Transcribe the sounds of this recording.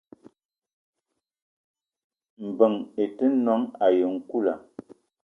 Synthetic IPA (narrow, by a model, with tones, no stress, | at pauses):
m̩˨bə˨ŋe˨tə˦nɔ˦ŋa˨jə˨ŋ̩˨ku˦˨la˨